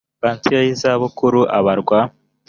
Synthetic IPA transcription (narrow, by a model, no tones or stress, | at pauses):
baːntijojizaβukuɾuʔaβaɾɡwa